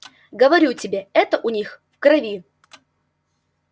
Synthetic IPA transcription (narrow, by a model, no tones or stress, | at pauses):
ɡəvɐɾʲutʲɪbʲeɛt̪əʔʊnʲixfkrɐvʲi